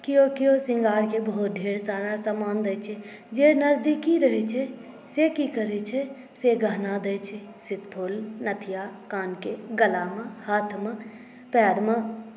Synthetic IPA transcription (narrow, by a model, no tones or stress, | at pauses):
kɪjokiosɪ̃ŋɡaːɾkebɐɦʊt̪̚d̪ʱeːɾsaːɾasaːmaːnd̪ət͡ʃʰed͡ʒeːnɐɾd̪ikːiɾəɦet͡ʃʰe | sekikəɾet͡ʃʰe | seɡəːnad̪əːt͡ʃʰe | sɪt̪pʰʊlnɐt̪ʰɪjakaːnkeɡəlaːməhaːt̪ʰmə | pɛːɾmə